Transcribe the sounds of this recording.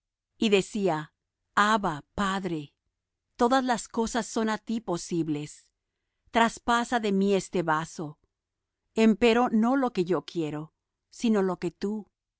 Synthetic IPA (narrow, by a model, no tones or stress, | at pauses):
iðe̞sia | aβapaðɾe̞ | t̪o̞ðazlasko̞sasːo̞nat̪ipo̞siβle̞s | t̪ɾaspasaðe̞mie̞st̪e̞βaso̞ | e̞mpe̞ɾo̞no̞lo̞ke̞ʝo̞kje̞ɾo̞ | sino̞lo̞ke̞t̪u